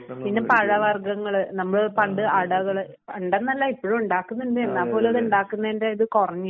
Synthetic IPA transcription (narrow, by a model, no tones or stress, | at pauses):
pinːepɐɻɐʋɐrɡɐŋːɐɭnɐmːɐɭoepɐɳɖɨaɽɐɣɐɭ | pɐɳɖɐnːɐlːaipːoɻumuɳɖaːkːunːɐnɖɨenːaːpo̞ːleɐðuɳɖaːkːunːɐendeiðɨkorɐɲːɨ